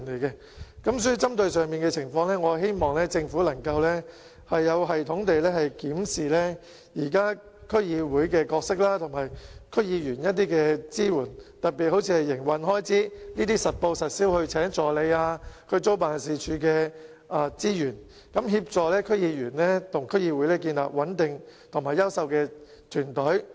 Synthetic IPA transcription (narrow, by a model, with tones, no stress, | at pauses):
nle˨˩jkɛ˧ | kɐ˨˥msɔː˨˥ji˨˧t͡sɐ˥mt̪ɵ˧ɥsœː˨ŋmiː˨nkɛ˧t͡sʰɪ˨˩ŋfɔː˧ŋlɛː˥ŋɔː˨˧he˥jmɔː˨ŋlɛː˥t͡sɪ˧ŋfuː˨˥lɐ˨˩ŋkɐ˧wlɛ˥ | hɐ˨jːɐ˨˧wɦɐ˨jt̪ʰʊ˨˥ŋt̪e˨jlɛː˥hɐ˨jkiː˨˥msiː˨lɛː˥ | jiː˨˩kaː˥ | kʰɵ˥ɥjiː˧wuː˨˥jkɛː˧kɔː˧ksɪ˥k̚laː˥t̪ʰʊ˨˩mɐ˨jkʰɵ˥ɥjiː˨˧jyː˨˩njɐ˥t̚t̪̬iː˥kɛː˧t͡siː˥wuː˨˩nt̪ɐ˨t̚piː˨t̚ho˨˥wt͡sʰiː˧hɐ˨jːɪ˨˩ŋwɐ˨nɦɔː˥jt͡siː˥niː˥t̪iː˥sɐ˨t̚po˧wsɐ˨t̚siː˥whɵ˧ɥt͡sʰɛː˨˥ŋt͡sɔː˨˩le˨˧jaː˧kʰɵ˨˧ɥt͡so˥wpaː˨˩nsiː˨t͡ʃʰyː˨˥kɛː˧ | aː˧t͡siː˥jyː˨˩n | kɐ˨˥mɦiː˧p̚t͡sɔː˨lɛː˥kʰɵ˥ɥjiː˨˧jyː˨˩nlɛː˥t̪ʰʊ˨˩ŋkʰɥjiː˧wu˨˥jlɛː˥k̬iː˧nla̰ː˨˩p̚wɐ˨˥nt̪ɪ˨ŋt̪ʰʊ˨˩maː˨jːɐ˥wsɐ˨˧wkɛː˧ | t̪ʰyː˨˩nt̪ɵ˨˥ɥ